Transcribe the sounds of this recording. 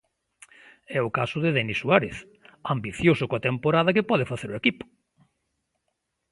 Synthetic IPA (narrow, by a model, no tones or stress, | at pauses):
ɛʊkasʊðɪðɛnisːuaɾeθ | ambiθjosʊkoat̪empoɾaðɐk̬ɪpɔðɪfaθeɾʊekipʊ̥